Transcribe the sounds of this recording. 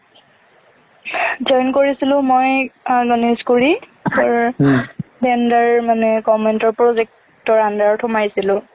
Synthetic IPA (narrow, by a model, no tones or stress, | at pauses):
d͡ʒɔjnkoɹisilʊ̃mojaɡɔniskuɹi | ɔɹ | bɛndaɹmanɛkɔmɛntɔɹpɹozɛk̚ | tɔɹandaɹtʰɔmajsilʊ̃